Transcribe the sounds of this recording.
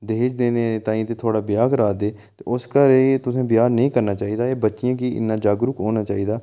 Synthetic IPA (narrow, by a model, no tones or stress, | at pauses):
d̪eːt͡ʃd̪eːneːt̪ãːĩt̪eːt̪ʰoːɽaːbɪjaːkəɾaːd̪eː | t̪eːʊskəɾeːt̪ʊsẽːbɪjaːɾnəɦĩːkəɾnaːt͡ʃaːɦiːd̪aːeːbətːʃɪjãːkiːɪ̰nːaːd͡ʒaːɡɾʊkɦoːnaːt͡ʃaːiːd̪aː